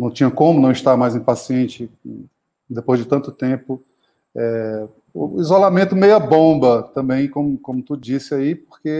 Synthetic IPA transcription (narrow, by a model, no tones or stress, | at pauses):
nɐ̃w̃t͡ʃĩɲɐkõmʊnɐ̃w̃iʃt̪aɾmajzẽj̃pasiẽt͡ʃɪ | d̪epojzd͡ʒɪt̪ɐ̃nt̪ʊt̪ẽpʊ | ɛ | ṵizolamẽnt̪ʊmejɐbõbɐt̪ɐ̃bẽj̃kõmʊkõmʊt̪ud͡ʒisɪaipoχke